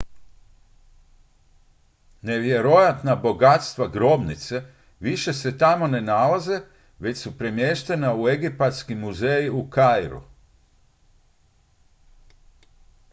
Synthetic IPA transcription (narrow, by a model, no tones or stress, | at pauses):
ne̞ʋje̞ɾo̞jat̪nabo̞ɡat̪st̪ʋaɡɾo̞bnit̪se̞ | ʋiʃe̞se̞t̪amo̞ne̞nalaze̞ | ʋe̞t͡ɕsupɾe̞mje̞ʃt̪e̞naue̞ɡipat̪skimːuzejiukajɾṵ